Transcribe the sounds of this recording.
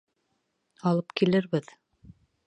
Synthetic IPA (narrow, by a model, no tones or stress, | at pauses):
ɑlˠɤpkilɘɾβɘð